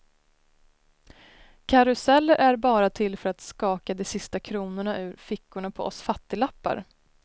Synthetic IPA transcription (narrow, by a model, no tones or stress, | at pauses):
kʰaɾɵsɛlːəɾʔæɾbɑːɾat̪ʰɪlːfœɾat̪skɑːkad̪ɛsɪst̪akʰɾuːnʊɳaʔʉ̟ːɾfɪkːʊɳapʰɔ̰ʔɔ̰sfat̪ːɪlapːa̰ɾ